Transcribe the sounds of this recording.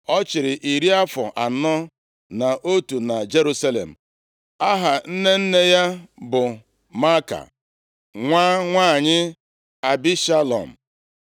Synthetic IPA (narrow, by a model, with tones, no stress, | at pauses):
ɔ˦t͡ʃɪ˨ɾɪ˨ʔi˨ɾi˦a˦fɔ̰˨ʔa˨nɔ˦ | na˨ʔo˦tu˨na˨d͡ʒe˦ɾu˦sa˦lḛ˨m̩˨ | a˦ɦa˨n̩˦ne˦n̩˦ne˦ja˦bʊ˨ | ma˦ka̰˨ | ŋʷaː˦ŋʷaː˦˨ɲɪ˦ | a˨bi˦ʃa˦lɔ̰˨m̩˨